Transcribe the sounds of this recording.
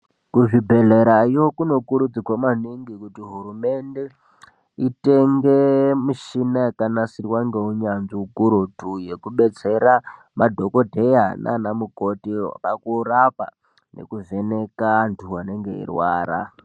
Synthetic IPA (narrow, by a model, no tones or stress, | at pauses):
kuʐibʱe̞ɮeɾaiwokuno̞kuɾud͡zikwamaniŋɡikutiɦuɾume̞nde̞ | iteŋɡemuʃinaekanasirwaŋɡeuɲanziukuɾotujekuɓe̞t͡se̞ɾa | madʱo̞kodʱe̞janʔa̰namukotiwa̰pakurapa̰ | nḛkuve̞ne̞kantʰuwane̞ŋɡe̞̰ḭrwa̰ːɾa̰